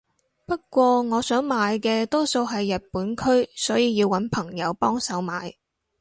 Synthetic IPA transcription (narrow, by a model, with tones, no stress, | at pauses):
pɐ˥kʷɔː˧ŋɔː˨˧sœː˨˥ŋmaː˨˧jkɛː˧t̪ɔː˥so˧wɦɐ˨jːɐ˨t̚puː˨˥nkʰɵ˥ɥsɔː˨˥jiː˨˧jiː˧wɐ˨˥npʰɐ˨˩ŋjɐ˨˧wpɔː˥ŋsɐ˨˥wmaː˨˧j